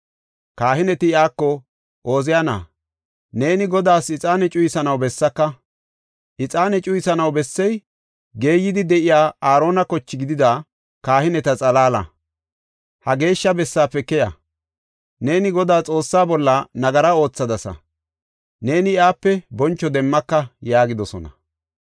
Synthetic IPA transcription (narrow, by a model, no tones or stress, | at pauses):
kaːhɪnɛt̪ɪɪaːkːɔ | ʔo̞ːzɪjana̰ː | ne̞ːnɪɡɔd̪aːsɪt͡sʼaːnɛt͡ʃʼʊjɪsɐnɐwbɛsːɐkːɐ | ʔɪt͡sʼaːnɛt͡ʃʼʊjɪsɐnɐwbɛsːɛj | ɡe̞ːjːɪd̪ɪd̪ɛʔɪjaːaːɾo̞ːnɐkɔt͡ʃːɪɡɪd̪ɪd̪ɐ | kaːhɪnɛt̪ɐt͡sʼɐlaːlɐ̰ | hɐɡe̞ːʃːɐbɛsːaːpːɛkɛjɐ̰ | ne̞ːnɪɡɔd̪aːt͡sʼo̞ːsːaːbɔlːɐnɐɡɐɾɐo̞ːt͡sːɐd̪ɐsɐ̰ | ne̞ːnɪɪaːpːɛbɔnt͡ʃːɔd̪ɛmːɐkːɐjaːɡɪd̪ɔsɔnɐ